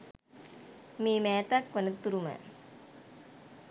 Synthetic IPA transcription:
miːmæːt̪akʋɐnət̪ːuɾumə̰

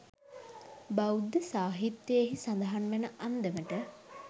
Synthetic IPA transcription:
bawd̪əsaːɦit̪jəjeɦisand̪əɦanʋenəʔand̪əməʈə

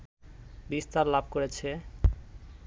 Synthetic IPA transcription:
bist̪aɾlab̚ʱkoɾet͡ɕʰe

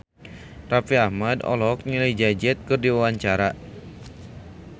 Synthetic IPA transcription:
rafiahmadɔ̰lɔk̚ɲiləjd͡ʒad͡ʒɛt̪̚kɨrdiwawaɲt͡ʃaɾa

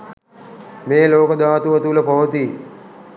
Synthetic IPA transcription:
meːloːkəd̪aːt̪uʋət̪uləpɐʋət̪i

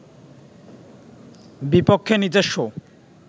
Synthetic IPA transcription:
bipokʰːenid͡ʑeʃːo

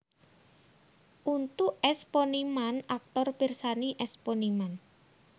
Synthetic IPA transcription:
ʔunt̪uʔɛsponimanak̚t̪ɔrb̥irsaniʔɛsponiman

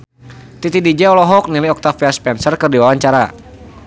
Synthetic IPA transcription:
t̪it̪idid͡ʒɛɔlɔɦɔk̚nilajɔk̚t̪afiaspɛnsərkərdiwawaɲt͡ʃaɾa

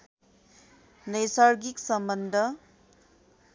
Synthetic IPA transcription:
nʌjsaɾɡiksʌmbʌnd̪ʱʌ

